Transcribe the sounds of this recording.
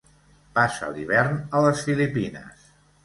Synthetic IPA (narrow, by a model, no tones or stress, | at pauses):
pasə̰liβ̞ɛrnələsfilipinə̰s